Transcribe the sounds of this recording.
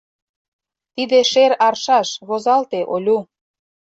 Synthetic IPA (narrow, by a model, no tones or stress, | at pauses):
t̪id̪eʃeɾɑrʃɑʃɣozɑlt̪eʔolʲu